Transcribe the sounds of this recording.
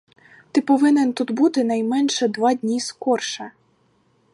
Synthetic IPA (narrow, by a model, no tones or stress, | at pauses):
t̪ɪpɔʋɪnɪnt̪ut̪but̪ɪnɐjmɛnʃɛd̪ʋɑdʲnʲiskɔrʃɐ